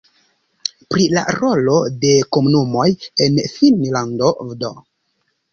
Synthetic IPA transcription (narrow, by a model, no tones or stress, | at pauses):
pɾila̰ɾo̞lo̞de̞ko̞munumo̞jenfinlando̞vdo̰